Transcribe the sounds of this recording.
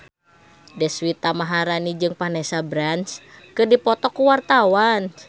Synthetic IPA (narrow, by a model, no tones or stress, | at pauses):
dɛswit̪amaɦaɾanid͡ʒɨŋpanɛsabɾanskɨrdipɔt̪ɔkːuwart̪awan